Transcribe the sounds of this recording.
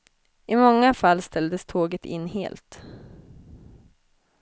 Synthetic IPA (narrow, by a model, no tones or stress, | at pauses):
ɪmɔŋːafalːst̪ʰɛld̪əst̪ʰoːɡət̪ʰɪ̰nːhḛːlt̪